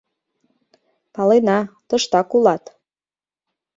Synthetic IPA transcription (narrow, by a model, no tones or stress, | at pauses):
pɑlenɑt̪ɤ̆ʃt̪ɑkulɑt̪